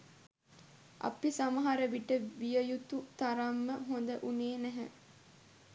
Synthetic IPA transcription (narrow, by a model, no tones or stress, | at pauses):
ʔɐ̰pisamɐɦaɾəʋiʈːəʋijəjut̪ut̪aɾamːəɦond̪əʔuneːnæɦɛ̰